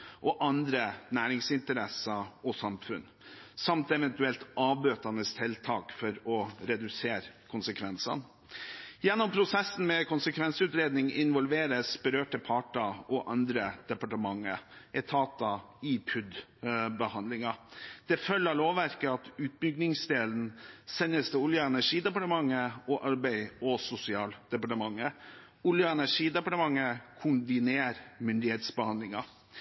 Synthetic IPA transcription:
ʔɔʔɑnd̪ɾənæːɾɪŋsɪnt̪əɾɛsɑɔsɑmfʉn | sɑmt̪ɛʋɛnt̪ʉɛlt̪ʔɑːbøːt̪ɑnəst̪ʰɪlt̪ʰɑːkfɔɾɔɾɛd̪ʉseːɾkʰʊnsəkʰʋɛnsɑ̰n | jɛnːɔmpʰɾʊsɛsːn̩mɛkʊnsəkʰʋɛnsʉːt̪ɾeːd̪nɪŋɪnʋɔlʋeːɾəsbəɾøːʈəpʰɑʈɑɔʔɑnd̪ɾəd̪̥ɛpɑʈəmɑŋːə̰ʔɛt̪ʰɑːt̪ɑ | ipʰʉd̪bəhɑnd̪lɪŋɑd̪̥ɛfœlːəloːʋæɾkəɑt̪ʉːt̪̚bʏɡnɪŋsd̪eːln̩sɛnːəst̪ʰɛʊljəɛnæʂiːd̪ɛpɑʈəmɑŋːəɔʔɑɾbæɪɔsʊsɪɑːld̪̥ɛpɑʈəmɑŋːə | ʊljəɛnæʂiːd̪ɛpɑʈəmɑŋːəkʰʊnbɪneːɾmʏnd̪ɪheːt̪sbəhɑnd̪lɪŋɑ

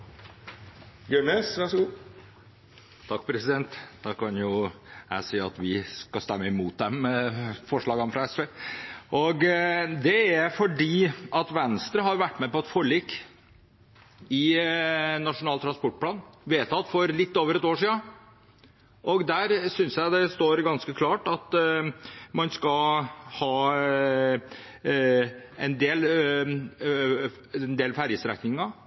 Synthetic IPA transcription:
øɳeːsʋæʂɡu | t̪ʰɑkːpʰɾɛsɪd̪ɛnt̪d̪ɑkʰɑnjʊjæ̰ɪsiːɑt̪ʋɪskɑst̪ɛmːəɪmuːt̪̚d̪ɛmfɔʂɭɑːɡɑmfɾɑɛsfeːʔɔɡd̪ɛæɾfɔɖiːʔɑt̪ʋɛnst̪ɾəɦɑɾʋæʈːmɛpɔɛt̪fɔɭiːkː | ɪ | nɑʂʊnɑːlt̪ɾɑspɔʈ̚ːpʰlɑːnʋeːt̪ʰɑt̪fɔɾlɪt̪ːoːʋəɾɛt̪oːʂiːə | ʔɔɡd̪æɾsʏnsjæɪd̪ɛst̪oːɾɡɑnskəkʰlɑːʈɑt̪ | mɑnskɑhɑː | ɛnd̪eːl | nd̪eːlfæɾjəst̪ɾɛ̰knɪŋɑ

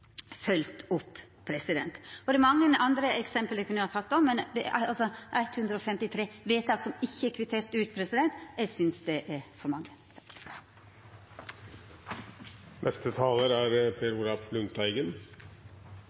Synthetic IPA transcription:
fœlt̪ʊpː | pʰːɾɛsɪd̪ɛnt̪ɔd̪ɛɛɾmɑŋːənʔɑnd̪ɾəɛksɛmpəld̪ɛkʰʉnəhɑːt̪ʰɑt̪ːɔmːɛnd̪ɛɑ̰lsɔʔæɪt̪hʉnd̪ɾəɔfɛmt̪ɪt̪ʰɾeːʋeːt̪ʰɑːɡsɔmɪçːəɛkʰʋɪt̪ʰeːɾt̪ʉːt̪pʰɾɛsɪd̪ɛnt̪ɛsʏnsd̪ɛʔæɾfɔɾmɑŋːə | nʔɛst̪ət̪ʰɑːləɾæːɾpʰeːɾuːlɑflʉnt̪æɪɡən

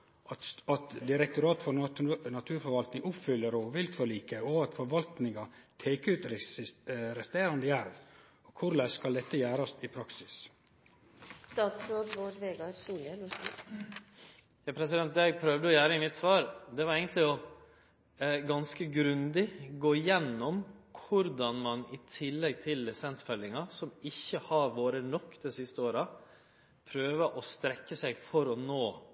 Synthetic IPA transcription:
ɑt̪d̪ɪɾɛk̚t̪ʊɾɑːt̪fɔɾnɑt̪ʰʉːɾfɔɾʋɑlt̪nɪŋʊpfʏlːəɾoːʋɪlt̪ʰfɔliːkəɔɑt̪fɔɾʋɑlt̪nɪŋɑ | t̪ʰeːkəʉːt̪ | ɾɛst̪eːɾɑnd̪əjæɾʋ | ɔkʰʊɾlɛskɑld̪ɛt̪ːəjæːɾɑst̪ɪpʰɾɑksɪ̥s | st̪ɑːt̪sɾoːd̪ʋoːɖʋeːɡɑɾsiə | jɑːpʰɾɛsɪd̪ɛnt̪jæɪpʰɾœʋd̪əɔjæːɾəɪnːɪt̪sʋɑːɾd̪ɛʋɑɾɛɪɡənt̪lɪɔ | ɡɑnskəɡɾʉnd̪ɪɡoːɪjɛnːɔmkʰʊɾd̪ɑnmɑnɪt̪ʰɪlːɛɡ̚t̪ʰɪlɛsɛnsfœlɪŋɑsɔmɪçːəhɑɾʋoːɾənɔkːd̪ɛsɪst̪əoːɾɑ | pʰɾøːʋəʔɔst̪ɾɛkːəsæɪfɔɾɔnoː

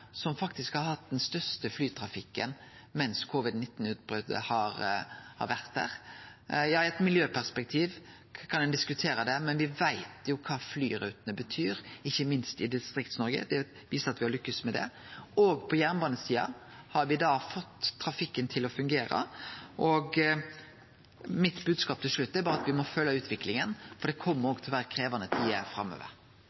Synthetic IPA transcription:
sɔmfɑkt̪ɪskhɑɾhɑt̪̚d̪ɛnst̪œɾst̪əflyːt̪ʰɾɑfɪkːə̰n | mɛnskʰoʋɪd̪nɪt̪ːn̩ʉːt̪̚bɾʉd̪ə̰hɑɾhɑ̰ɾʋæɾt̪̚d̪æ̰ːɾ | jɑːɪɛt̪mɪljøːpʰæʁspɛk̚t̪ʰiːʋ | kʰɑnd̪ɛnd̪ɪskʉt̪ʰeːɾəd̪ɛmɛnʋɪʋæɪt̪jʊkʰɑːflyːɾʉːt̪ənəbət̪ʰyːɾɪçːəmɪnst̪ɪd̪ɪst̪ɾɪk̚t̪snɔɾɡə̰d̪ɛ | ʋiːsəɾɑt̪ʋɪhɑɾlʏkːəsmɛd̪ɛ̰ | ɔːɡpʰɔjæɾnbɑːnəsiːɑ̰ | hɑɾʋɪd̪ɑːfɔt̪ʰːɾɑfɪkːənt̪ʰɪlɔfʉŋɡeːɾə̰ʔɔɡ | mɪt̪bʉːd̪skɑːp̚t̪ʰɪlʂlʉt̪ːɛɾbɑːɾəɑt̪ʋɪmɔfœlːəʉːt̪ʰʋɪklɪŋənfɔɖ̪ɛkʰɔmːəɾɔːɡt̪ʰlʋæːɾəkʰɾeːʋɑnət̪ʰiːə̰fɾɑ̰mːø̰ːʋə̰ɾ

